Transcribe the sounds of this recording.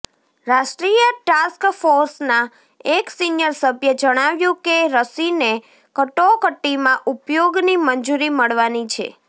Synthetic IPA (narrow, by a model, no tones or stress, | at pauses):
ɾaʃʈɾijəʈaskfoɾsna | eksinjəɾsəbʱjəd͡ʒəɽ̃aʋjũkeɾəsine | kəʈokəʈːimãʔupjoɡnimənd͡ʒuɾiməɭʋanit͡ʃʰḛ